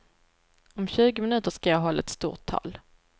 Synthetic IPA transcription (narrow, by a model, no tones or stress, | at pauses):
ɔmɕʉ̟ːɡʊmɪnʉ̟ːt̪əʂkajɑːɦɔlːa̰ɛt̪st̪ṵːʈʰːɑ̰ːl